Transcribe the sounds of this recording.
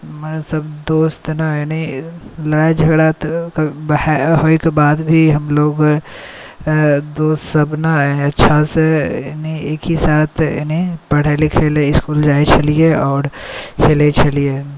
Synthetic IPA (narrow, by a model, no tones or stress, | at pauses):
mənsɐbd̪oːst̪naenilɐɽaːed͡ʒʱɐɡɽat̪kbɦoːikebaːd̪bʱiɦɐmloːɡ | d̪oːst̪sɐbnaniɐtːʃʰasenieːkɦisaːt̪ʰnĩpɐɽ̤eːlikʰeːleɪskuːld͡ʒaːet͡ʃʰɐlieɔːɾkʰeːlet͡ʃʰɐlie